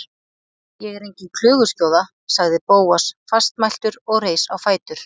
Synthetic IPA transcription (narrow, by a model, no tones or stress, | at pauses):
jɛɣɛɾejɲcɪkʰl̥ʏːɣʏscoːwða | saɣðɪpoːwasfast̪majl̥t̪ʏɾɔɣreːjsawfaːjt̪ʏɾ̥